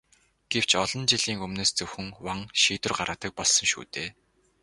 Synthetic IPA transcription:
ɡ̥ew̥t͡ɕɔɮ̥ɞ̆nt͡ɕiɮiːŋɵmneːst͡sɵwxɵ̆ŋwaŋʃiːt̪ɵ̆rɢaɾəːt̪ə̆k̚pɔɮsɞ̆ŋʃṵːt̪eː

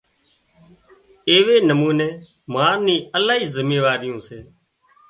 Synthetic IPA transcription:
eːʋeːnəmuːnẽː | maːnĩːəlaːɦiːzəmeːʋaːɾɪjõːseː

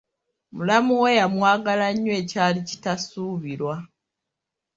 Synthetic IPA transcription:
mulamuwe̞jamwaːɡalaɲːwe̞ːcaːlici̥tasuːβiɾwa

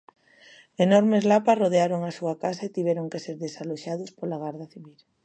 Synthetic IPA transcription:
enɔɾmezlapasroðeaɾoŋasuakasaet̪iβɛɾoŋkeseɾðesaloʃaðʊspolaɣaɾðaθiβil

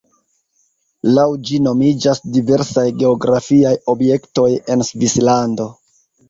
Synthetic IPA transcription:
lawd͡ʒino̞mid͡ʒasdive̞ɾsajɡe̞oɡɾafiajo̞bje̞kto̞je̞nsvislando̞

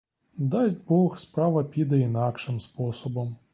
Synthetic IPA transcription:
d̪ɑzʲtʲbɔxspɾɑʋɐpʲid̪ɐinɑkʃɪmspɔsɔbɔm

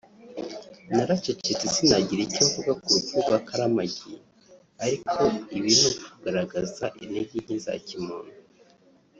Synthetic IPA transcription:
naɾat͡ʃet͡ʃetisinaɟiɾecoɱvuɡakutuɡakʰaɾamaɟije | aɾikʰo̞iβin̥unkuɡaɾaɡazaʔineɟiɲinza̰cimuːnu

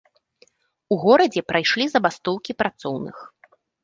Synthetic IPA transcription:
uɣɔɾɐd͡zʲɛpɾajʂlʲizɐbast̪ɔwkʲipɾat̪sɔwnɨ̰x

